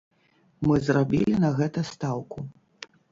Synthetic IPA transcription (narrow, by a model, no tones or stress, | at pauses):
mɨzrabʲḭlʲinɐɣɛt̪ɐst̪awku